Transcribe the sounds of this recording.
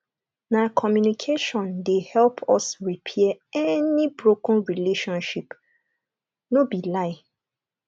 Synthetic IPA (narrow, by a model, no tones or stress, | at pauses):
nakʰɔmjunikʰeʃɔ̃ndehɛlpʰɔsɹipʰɛɛɛnibɹokɔ̃nɹileʃɔ̃nʃip | nobilaɪ